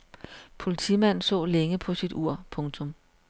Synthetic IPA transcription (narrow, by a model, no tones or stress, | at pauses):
pʰo̝lit͡sʰḭmæn̰nsɔ̰̽ːleŋəpʰɒ̽sid̥uɐ̰pʰɔ̽ŋt͡sʰɔ̽m